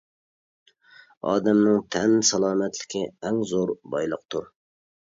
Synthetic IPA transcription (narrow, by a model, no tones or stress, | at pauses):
ɑ̰ːd̪ɛmnɪŋt̪ʰɛnsɑlˠɑːmɛt̪lɪ̥kʲʰɪɛŋzoɾbɑjlˠəq̚t̪ʰuɾ